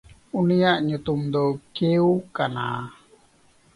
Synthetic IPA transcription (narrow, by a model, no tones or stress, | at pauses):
unijaʔɲut̪umd̪ɔkeukana̰